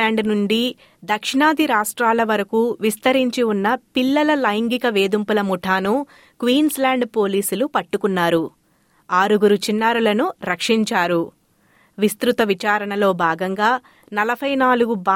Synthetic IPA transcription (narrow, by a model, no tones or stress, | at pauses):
aːɳɖnuɳɖi | d̪ɐkʂiɳaːd̪iɾaːʂʈɾaːlɐʋɐɾɐkuʋist̪ɐɾiɲt͡ʃiunːɐpilːɐlɐlɐjŋɡikɐʋeːd̪umpulɐmuʈʰaːnu | kʋiːnslaːɳɖpo̞ːliːsulupɐʈːukunːaːɾu | aːɾuɡuɾut͡ʃinːaːɾulɐnuɾɐkʂiɲt͡ʃaːɾu | ʋist̪ɾut̪ɐʋit͡ʃaːɾɐɳɐlo̞ːbʱaːɡɐŋɡaː | nɐlɐbʱɐjnaːluɡubaː